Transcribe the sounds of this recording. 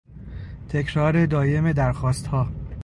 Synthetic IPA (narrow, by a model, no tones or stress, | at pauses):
t̪ʰe̞cʰɾɒːɾe̞d̪ɒːje̞me̞d̪æɾxɒːst̪hɒː